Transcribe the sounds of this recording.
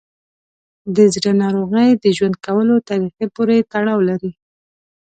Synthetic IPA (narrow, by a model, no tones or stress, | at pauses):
d̪əzɾənɑɾoɣəjd̪əʒwand̪̚kawəlot̪ɑɾixepoɾet̪aɽɑwlaɾi